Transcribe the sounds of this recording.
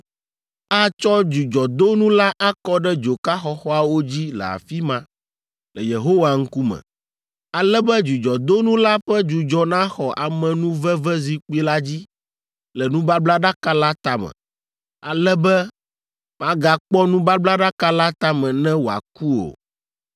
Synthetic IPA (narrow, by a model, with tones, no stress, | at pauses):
a˦t͡ʃɔ˦d͡ʒu˨d͡ʒɔ˨d̪o˦nũ˦la˦ʔa˦kɔ˦ɖɛ˦d͡ʒo˨ka˦xɔ˦xɔ˦a˨wo˦d͡ʑi˦lɛ̰˨a̰˨fi˦mã˨ | lɛ˨je˨ɦo˦wa˨ŋ̩˦ku˦mɛ̰̃˨ | a˨lɛ˦bɛ˦d͡ʒu˨d͡ʒɔ˨d̪o˦nũ˦la˦ɸɛ˦d͡ʒu˨d͡ʒɔ˦nã˦xɔ˨ʔa˨mɛ̃˨nũ˦vɛ˦vɛ˦zi˨k͡pu˦i˦la˦d͡ʑi˦ | lɛ˨nũ˦ba˦bla˦ɖa˦ka˦la˦t̪a˨mɛ̰̃˨ | a˨lɛ˦bɛ˦ | m˨ã˦ɡa˨k͡pɔ˦nũ˦ba˦bla˦ɖa˦ka˦la˦t̪a˦mɛ̃˨nɛ̃˦wo˨a̰˨ku˦o̰˨